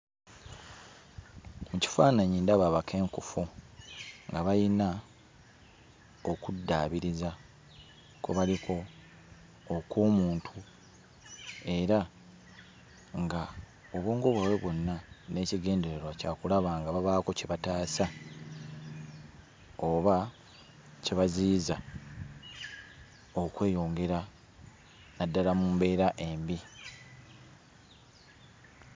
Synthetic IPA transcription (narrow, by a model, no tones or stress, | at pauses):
muci̥faːnaɲindaβaβakʰe̞ːŋkufu | ŋɡaβajina | okudːaːβiɾiza | kuβalikʰo̞ | koːmuːntʰu | e̞ɾa | ŋɡa | oβoːŋɡo̞βwawe̞βo̞nːane̞ciɡe̞ːnde̞ɾeɾwacaːkulaβaːŋɡaβaβaːko̞ceβataːsa | oβa | ceβaziːza | okwe̞ːjo̞ːŋɡe̞ɾa | nadːalamumbe̞ːɾaʔe̞ːmbi